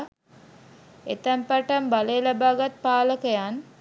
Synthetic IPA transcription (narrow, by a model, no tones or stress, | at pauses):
et̪əmpaʈəmbaleːlabaːɡat̪̚paːləkəjan